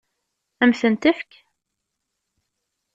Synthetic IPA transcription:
æmθənt̪əfk

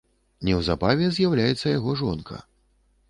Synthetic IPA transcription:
nʲɛwzabavʲɛzʲjawlʲajɛt̪sːɐjaɣɔʐɔnkɐ̰

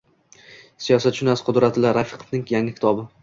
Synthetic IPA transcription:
sijɒsat̪ʃʊnasqʰʊd̪ɾat̪ʰɪlaɾafɪ̥qʰo̥fnɪŋjaŋɪkʲʰɪt̪ʰɒbɪ

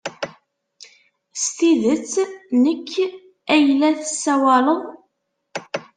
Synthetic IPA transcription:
st̪iðət͡sːnəkː | æjlːæθəsːæwæləðˤ

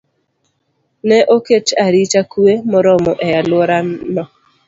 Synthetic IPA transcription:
nɛʔoket͡ʃaɾit͡ʃakuemɔɾɔmɔʔɛjalwɔɾanːɔ

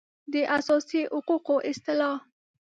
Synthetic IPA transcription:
d̪əʔasɑsihʊquqoʔɪst̪ɪlɑ

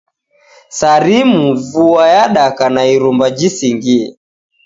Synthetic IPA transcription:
saɾimuvuajaɗakanaiɾumbad͡ʒisiŋɡiɛ

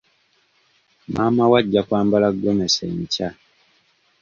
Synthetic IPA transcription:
mʔaːmawaɟːakwaːmbalaɡːomesḛɲca

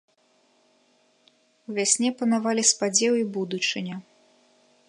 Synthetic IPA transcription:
uvʲasʲnʲɛpɐnavalʲispad͡zʲɛwibud̪ut͡ʂɨnʲɐ

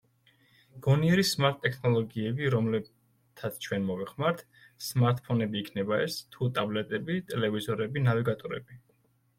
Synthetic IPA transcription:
ɡ̥ɔniɛɾismaɾt̪ʼːɛkʰnɔlˠɔɡiɛbiɾɔmlɛb | t̪ʰat̪sʰt͡ʃʰwɛnmɔvɛχmaɾt̪ʰ | smaɾt̪ʼpʰɔnɛbiːkʰnɛbaɛst̪ʰut̪ʼablɛt̪ʼɛbit̪ʼɛlɛvizɔɾɛbinaviɡat̪ʼɔɾɛ̰b̥i

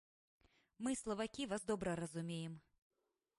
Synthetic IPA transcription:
mɨslˠɐvakʲivazd̪ɔbɾɐɾɐzumʲejɛm

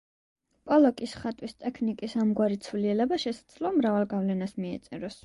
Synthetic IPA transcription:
pʼɔlˠɔkʼisχat̪ʼwist̪ʼɛkʰnikʼisamɡwaɾit̪sʰvliɛlɛbaʃɛsḁd̪z̥lɔmɾavalˠɡavlɛnasmiɛ̰t̪sʼɛɾɔs

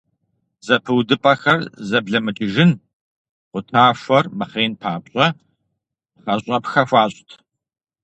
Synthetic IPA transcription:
z̥ɐpʰɨwdɨpʼɐxɐrzɐbɮɐmɨt͡ʃʼɪʒɪn | qʷʊtʰaːfʷɐrmɨχeːnpʰaːpɕʼɐ | χɐɕʼɐpxɐfʷaːɕʼtʰ

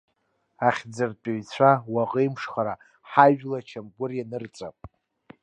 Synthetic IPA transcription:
aχʲd͡zɨrt͡pʼiɥt͡ɕʷʰawaqʼəjmʂχaɾa | ħaʒᶣlat͡ʃʰamɡʷʊrjanɨrt͡sʼa̰pʼ

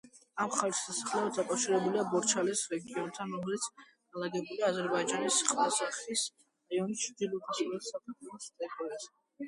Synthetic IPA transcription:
amχaɾisasaχlɛɔd̪d̪akʼafʃiɾɛbuliabɔɾt͡ʃʰalɛsɾɛɡiɔnt̪ʰanɾɔmɛlit̪sʰ | alaɡɛbuliazɛɾbaid͡ʒanisχvasaχis | aiɔnit͡ʃʰd̪ilud̪ʰisuɾɛt̪sakʰat̪ʰɔlɔst̪ʼɛtʼɔɛsɛ

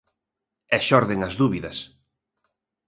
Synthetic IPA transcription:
ɛʃɔɾðeŋɐzðuβiðɐs

